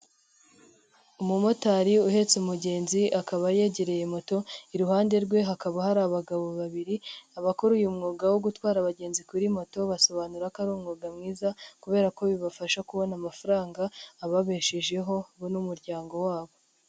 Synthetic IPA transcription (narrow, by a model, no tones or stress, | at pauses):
umumo̞taɾiuhe̞t͡sumuɟe̞ːnziʔakaβaje̞ɟe̞ɾe̞je̞mo̞to̞iɾuɦaːnde̞ɾɡwe̞ɦakaβahaɾaβaɡaβo̞βaβiɾiaβakoɾujumŋuːɡawoɡutwaːɾaβaɟe̞ːnzikuɾimo̞to̞βaso̞βanuɾakaɾuːmŋuːɡamŋiːzakuβe̞ːɾako̞βiβafaʃakuβo̞namafaɾaːŋɡaːβaβe̞ʃeʒe̞ɦo̞βonumuɾɟaːŋɡo̞waːβo̞